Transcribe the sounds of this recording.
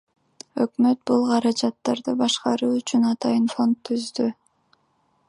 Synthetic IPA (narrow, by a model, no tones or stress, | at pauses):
ø̞kmø̞t̪̚bulˠqʰɑɾɑd͡ʒɑt̪ːɑɾd̪ɯbɑʃqɑɾuːyt͡ʃynɑt̪ɑjənfo̞nt̪ʰːyzd̪y